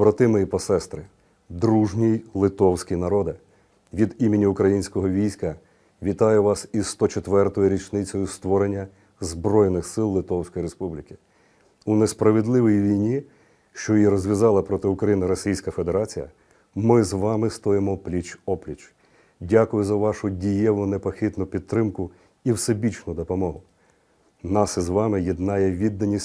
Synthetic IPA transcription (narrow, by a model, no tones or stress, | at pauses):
bɾɐt̪ɪmɛjipɔsɛst̪ɾɪ | d̪ɾuʒnʲijlˠɪt̪ɔwsʲkʲinɐɾɔd̪ɪ | ʋʲid̪imɪnʲiʊkɾɐjinʲsʲkɔɦɔʋʲijsʲkɐ | ʋʲit̪ɑjʊʋɑsizst̪ɔt͡ʃet̪ʋɛrt̪ɔjʊɾʲit͡ʃnɪt͡sʲɔjʊst̪ʋɔɾenʲːɐ | zbɾɔjnɪxsɪlˠlːˠɪt̪ɔwsʲkɔjiɾespublʲɪkʲɪ̥ | unespɾɐʋed̪lˠɪʋɔjiʋʲijnʲi | ʃt͡ʃɔjiɾɔzʲʋʲjɐzɑlˠɐpɾɔt̪ɪʊkɾɐjinɪɾɔsʲijsʲkɐfed̪eɾɑt͡sʲijɐ̰ | mɪzʋɑmɪst̪ɔjɪmɔplʲit͡ʃɔplʲit͡ʃ | dʲakʊjʊzɐʋɑʃʊdʲijɛʋʊnepɐxɪt̪nʊpʲid̪̚t̪ːɾɪmkʊ | iwsebʲit͡ʃnʊd̪ɔpɔmɔɦʊ | nɑsɛzʋɑmɪjid̪nɑjɛʋʲid̪ːɐnʲːisʲ